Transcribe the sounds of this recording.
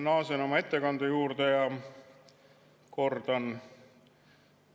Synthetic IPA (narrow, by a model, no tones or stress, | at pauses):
nɑːseno̞mɑe̞t̪ːe̞kɑnd̪ujuːrd̪̥ejɑ | ko̞rd̪̥ɑn